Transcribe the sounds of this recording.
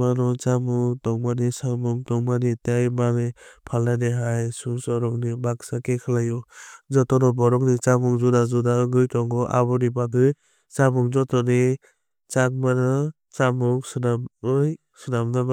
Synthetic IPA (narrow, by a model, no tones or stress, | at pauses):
manɔt͡ʃamuŋtɔŋmanisamuŋtɔŋmanitajmanipʰalːaneɦajsuŋsɔɾɔŋnibaksakekʰalajɔzɔtɔnɔbɔɾɔŋnit͡ʃamuŋzudazudaɡɯjtɔŋɡɔʔa̰bɔnibakɯj | t͡ʃamuŋzɔtɔni | t͡ʃak̚manɯ | t͡ʃamuŋsɯnamɯj | sɯnamnaba